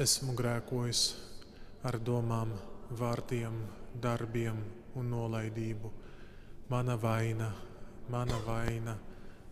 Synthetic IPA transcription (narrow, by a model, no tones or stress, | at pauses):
esmuɡɾæːkuɔjis | aɾd̪uɔmaːmvaːɾt̪iɛmd̪aɾbiɛmunːuɔlˠajd̪iːbu | manavajnamanavajna